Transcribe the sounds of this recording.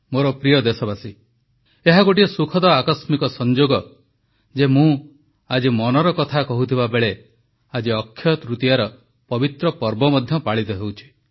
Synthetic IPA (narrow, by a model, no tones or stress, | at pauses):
moɾɔpɾijɔd̪esɔbasi | eɦaɡoʈ̬iesukʰɔd̪ɔakɔsmikɔsɔnd͡ʒoɡɔ | d͡ʒemũ | ad͡ʒimɔnɔɾɔkɔt̪ʰakɔɦut̪ʰibabeɭe | ad͡ʒiɔkʰːjɔt̪ɾut̪ijaɾɔ | pɔbit̪ɾɔpɔɾbɔmɔd̪ʱjɔpaɭit̪ɔɦewt͡ʃʰi̥